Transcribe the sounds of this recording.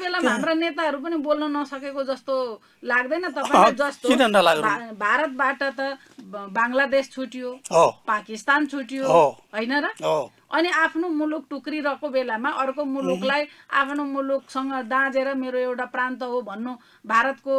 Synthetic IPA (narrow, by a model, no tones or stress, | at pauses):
belamaɦamranet̪aɦʌɾup̬ʌnibolnʌnʌsʌkekod͡zʌst̪o | laɡd̪ʌjnʌt̪ʌpaiĩkad͡zʌst̪oid̪ʱʌnd̪alaɡbabʱaɾʌt̪̚baʈʌt̪ʌ | baŋlad̪est͡sʰuʈijoɦopakist̪ant͡sʰuʈijoɦoɦʌjnʌɾʌo | ʌniapʰnomuluk̚ʈukriɾʌkobelamaʔʌrkomuluklaja̰pʰnomuluksʌŋɡʌd̪ãd͡zeɾʌmeɾoewʈaprant̪ʌɦobʱʌnːo | bʱaɾʌt̪ko